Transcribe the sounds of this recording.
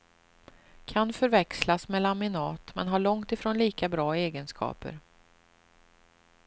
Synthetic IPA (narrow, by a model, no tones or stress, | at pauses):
kʰanfœɾvɛkslasmɛlamɪnɑːt̪mɛ̰nɦaɭɔŋt̪ɪfɾoːnliːkabɾɑːeːɡənskʰɑ̰ːpə̰ɾ